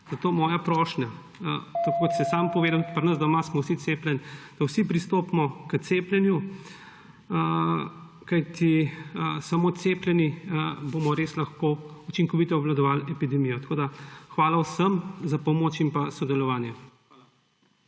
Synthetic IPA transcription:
z̥ɐt̪oːmɔːjapɾɔːʃnʲa̰ | t̪ɐkokɔt̪sɛsaːmpɔʋeːd̪aw̪pɾnəzd̪ɔmasmɔwsit̪seplʲɛnd̪̥ɐwsipɾist̪oːpmɔkət̪seːpljɛnju | ə | kajt̪iəsamoːt̪seːplʲjɛniboːmɔɾeːslɐxkout͡ʃiŋkɔʋit̪ɔːblad̪ɔʋaːlɛpid̪ɛmijɔt̪ɐkoːd̪axʋaːlawsəmzapɔmoːt͡ʃimpasɔd̪ɛlɔʋaːnjɛ

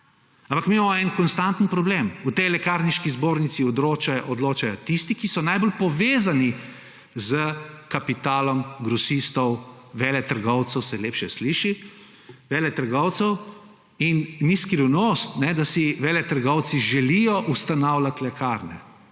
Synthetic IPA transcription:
ampakmimamɔɛnkɔnst̪ant̪ənpɾɔbleːmut̪ɛjlɛkaɾniʃkizboːɾnit̪siɔd̪ɾoːt͡ʃajʔɔd̪loːt͡ʃajɔt̪ist̪ikisɔnajbolpɔʋeːzani | zəkapit̪aːlɔmɡɾɔsist̪ɔw | ʋɛːlɛt̪əɾɡɔwt̪sɛwsɛleːpʃɛsliːʃi | ʋɛːlɛt̪əɾɡɔwt̪sɛw | inniskɾiwnost̪nɛd̪asiʋɛːlɛt̪əɾɡɔwt̪siʒɛlijɔʔust̪anawlʲat̪lɛkaɾnɛ̰

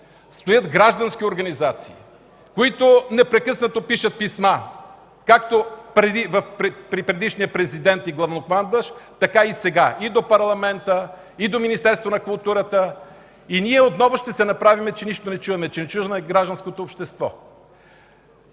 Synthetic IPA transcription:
st̪ojɤd̪ɡɾaʒd̪ɐnsk̟ʲioɾɡɐnizat̪sii | koit̪onɛpɾɛkɤsnət̪opiʃət̪̚pisma | kak̚t̪opɾɛd̪ivɐfpɾɛpɾipɾɛd̪iʃnijəpɾɛzid̪ɛnt̪iɡlˠɐvnokmand̪əʃt̪ɐkaisɛɡaʔid̪opɐɾlˠɐmɛnt̪ə | id̪ominist̪ɛɾst̪vonɐkʊlˠt̪uɾət̪ə | iniɛot̪nɔvʊʃt̪ɛsɛnɐpɾavimɛt͡ʃɛniʃt̪onɛt͡ʃuvɛmɛt͡ʃɛnɛt͡ʃuvmɛɡɾaʒd̪ɐnskot̪oːpʃt̪ɛst̪vɔ̰

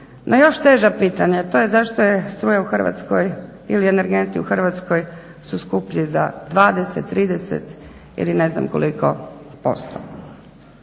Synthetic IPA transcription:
nʔojo̞ʃt̪eːʒapiːt̪aɲaat̪o̞jezaʃt̪ojest̪ɾuːjauxr̩ʋa̰t̪skoj | ilieneɾɡent̪iuxrʋat̪sko̞j | suskupʎiza̰d̪ʋaːd̪eset̪ːɾiːd̪esḛt̪ | ḭline̞zna̰mko̞̰liko̞̰po̰st̪o̰

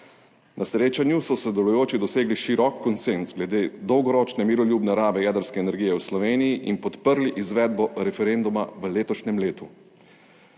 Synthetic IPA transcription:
nʔasɾeːt͡ʃanjusɔsɾɔd̪ɛlujoːt͡ʃid̪ɔseːɡliʃiɾɔkːɔnsenzɡlɛd̪eːd̪ɔwɡɔɾɔt͡ʃnɛmiːɾɔljuːbnɛɾaːʋɛjɛːd̪əɾskɛːnɛɾɡiːjɛwslɔʋeːnijiʔinpɔt̪pəɾliʔizʋɛːd̪bɔɾɛfɛɾend̪uma̰ʋəleːt̪ɔʃnɛmleːt̪u

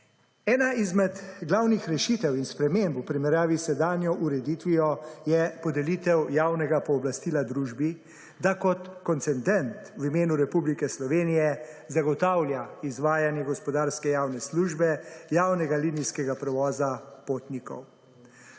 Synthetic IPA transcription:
ɛːnaizmɛd̪ɡlaːwnixɾɛʃit̪ɛwinspɾɛmempupɾimɛɾjaːʋisɛd̪aːnjɔʔuɾɛd̪iːt̪ʋijɔjɛpɔd̪ɛliːt̪ɛwjaːwnɛɡapɔːblast̪iːlad̪ɾuːʒbi | d̪akɔt̪kɔnt̪sɛnd̪ɛnt̪wimeːnuɾɛpublikɛslɔʋeːnijɛzaɡɔt̪awlʲjaizʋaːjanjɛɡɔspɔd̪aːɾskɛjaːwnɛsluːʒbɛjaːwnɛɡalinijskɛɡapɾɛʋɔːzapoːt̪nikɔ̰w

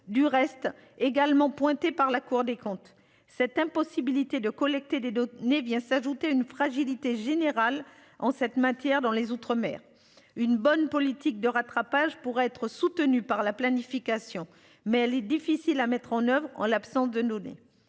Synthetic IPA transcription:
d̪yʁɛst̪ | eɡalmɑ̃pwɛ̃t̪epaʁlakuʁd̪ekɔ̃t̪ | sɛt̪ɛ̃pɔsibilit̪ed̪əkɔlɛk̚t̪ed̪ed̪ɔnevjɛ̃saʒut̪eynfχaʒilit̪eʒeneʁal | ɑ̃sɛt̪mat̪jɛʁd̪ɑ̃lezut̪χəmɛ̰ːʁ | ynbɔnpɔlit̪ik̚d̪əʁat̪χapaʒpuʁɛɛt̪χəsut̪ənypaʁlaplanifikasjɔ̃ | mɛɛlɛd̪ifisilamɛt̪χɑ̃nœvʁɑ̰̃lapsɑ̃sd̪əd̪ɔnḛ

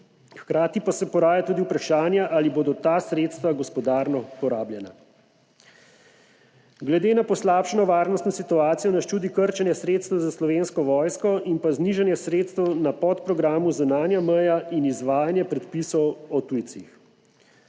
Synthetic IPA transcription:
xkɾaːt̪ipasɛpɔɾaːjat̪uːd̪iupɾaʃaːnjaʔaliboːd̪ɔt̪aːsɾeːt̪st̪ʋaɡɔspɔd̪aːɾnɔpɔɾaːbljɛna̰ | ɡlɛd̪eːnapɔslaːpʃɛnɔʋaːɾnɔst̪nɔsit̪uaːt̪sijɔnast͡ʃuːd̪ikəɾt͡ʃɛnjɛsɾeːt̪st̪ɛwzaslɔʋeːnskɔʋɔːjskɔʔinpazniʒɛnjɛsɾeːt̪st̪ɛwnapɔt̪pɾɔɡɾaːmuzunaːnjamɛjainizʋaːjanjɛpɾɛt̪pisɔwɔt̪ujt̪six

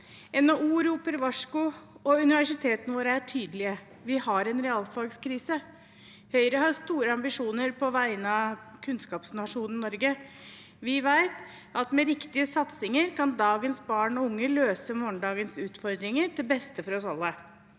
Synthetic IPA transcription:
ɛnɑuːɾuːpəɾʋɑʂkʊɔʉnɪʋæʂɪt̪ʰeːt̪nəʋoːɾəæʈʰyːd̪əlɪə | ʋɪhɑɾɛnɾɛɑlfɑlɡskʰɾiːsə | hœʏɾəɦɑɾst̪uːɾəɑmbɪʂuːnəɾpʰɔʋæɪənɑkʰʉnskɑːpsnɑʂuːnnɪnɔɾɡə | ʋɪʋæɪt̪ | ɑt̪mɛɾɪkt̪ɪəsɑt̪sɪŋəɾkʰɑnd̪ɑːɡənsbɑːɳɔʊŋːəløːsəmɔːnd̪ɑːɡənsʉːt̪fɔɾd̪ɾɪŋəɾd̪ɛbɛst̪əfɔɾɔsɑlːə

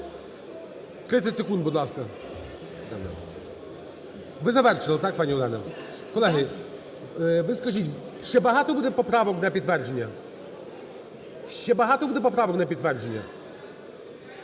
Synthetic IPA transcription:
t̪ɾɪt̪sʲɐtʲsekund̪̚bud̪lˠaskɐ | d̪ɛmnɛ̰ | ʋɪzɐʋɛrt͡ʃɪlˠɐt̪ak̚panʲiʊd̪ɛnɐ | kɔlˠɛɦɪ | ʋɪskɐʒitʲʃt͡ʃɛbɐɦat̪ɔbud̪ɛpɔpɾaʋɔknɐpʲid̪t̪ːʋɛrd͡ʒenʲːɐ | ʃt͡ʃɛbɐɦat̪ɔbud̪ɛpɔpɾaʋɔknɐpʲit̪t̪ːʋɛrd͡ʒenʲːɐ̰

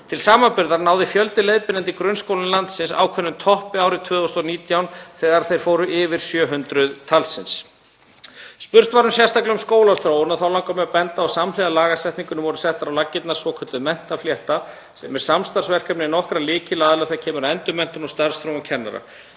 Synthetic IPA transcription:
t̪ʰɪlsaːmanpʏɾðaɾnaːwðɪfjœlt̪ɪleːjðpɪnɛnt̪ikɾœnskowlɪnlant̪sɪnsa̰ːwkʰvœnːʏmt̪ʰɔhpɪaːwɾɪt̪ʰvʏːðɔst̪ɔniːt̪ʰjawnθɛːɣaɾθejɾ̥foːwɾʏʔɪvɪɾ̥sjœːɦʏnt̪ɾʏðt̪ʰalsɪns | spʏr̥t̪vaɾʏmsjɛ̥st̪ʰaklʏmskoːwlaɾθɾoːwʏnaðθawlawkamɛapɛnt̪aːsamlɪðalaːɣasɛht̪niŋkʏnʏmvɔɾʏsɛht̪aɾawlacːɪt̪nḁsvɔkʰœt̪ʏmɛn̥t̪afljɛht̪a | sɛmɛɾ̥samst̪aɾ̥svɛr̥kapnɪnɔhkɾalɪːcɪlaːðlaθɛacʰɛːmʏɾaɛnt̪ʏmɛn̥t̪ʏnɔst̪aɾ̥st̪ɾoːwamcʰɛnːa̰ɾa̰

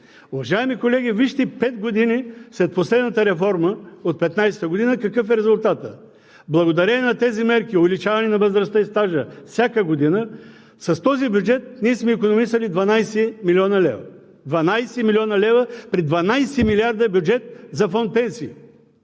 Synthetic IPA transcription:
ʊvɐʒaɛmikolɛɡ̟ʲiviʃt̪ipɛt̪ɡod̪inislɛt̪̚poslɛd̪nət̪əɾɛfɔɾməot̪̚pɛt̪najsɛ̥t̪əɡod̪inəkɐkɤfɛɾɛzʊlˠt̪at̪ə | blˠɐɡod̪ɐɾɛnɐt̪ɛzimɛɾkʲiovɛlʲit͡ʃavɐnɛnɐvəzɾɐst̪əist̪aʒəfsʲakəɡod̪inə | sɐst̪ɔzibjud͡ʒɛt̪̚niɛsmɛikonomisɐlid̪vɐnajsɛmiliɔnɐlɛ̰vɐ̰ | d̪vɐnajsɛmilʲiɔnɐlɛvəpɾid̪vɐnajsɛmilʲiaɾd̪əbjud͡ʒɛt̪̚zɐfɔnt̪̚pɛnsiː

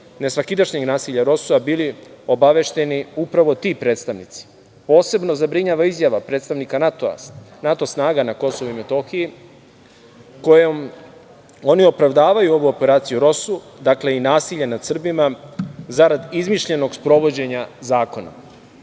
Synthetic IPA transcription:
ne̞sʋakid̪aʃɲeɡnaːsiʎaɾo̞suabiːlio̞baʋe̞ʃt̪e̞niupɾaʋo̞t̪iːpɾe̞ːt̪st̪aʋnit̪si̥ | po̞ːse̞bno̞zabɾiɲaːʋaizjaʋapɾeːt̪st̪aʋnikanat̪a̰nat̪o̞snaːɡanako̞so̞ʋuime̞t̪o̞xiji | ko̞jom | o̞nio̞pɾaʋd̪aːʋajuo̞ʋuope̞ɾaːt̪sijuɾo̞su | d̪akle̞inaːsiʎanad̪sr̩bimazaɾad̪izmiʃʎe̞no̞ɡspɾo̞ʋod͡ʑe̞ɲazaːko̞na̰

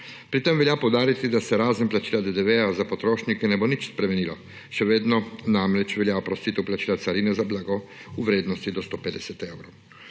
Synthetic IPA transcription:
pɾit̪emʋɛljapɔwd̪aːɾit̪id̪asɛɾaːzənplat͡ʃiːlad̪ed̪ɛʋɛjazapɔt̪ɾoːʃnikɛnɛbonit͡ʃspɾɛmɛniːlɔ | ʃɛʋeːd̪nɔnamɾɛt͡ʃʋɛljaopɾɔst̪iːt̪ɛwplat͡ʃiːlat̪saɾinɛzablaɡɔuʋɾeːd̪nɔst̪id̪ɔst̪oped̪ɛsɛt̪ewɾow

